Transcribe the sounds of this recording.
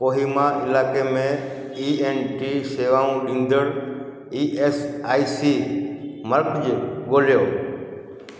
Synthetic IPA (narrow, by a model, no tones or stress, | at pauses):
koɦimaʔɪlaːkemẽ | ienʈiseʋaũɗĩnd̪əɽ | iːʔesaːjsi | məɾkd͡ʒɡoljoː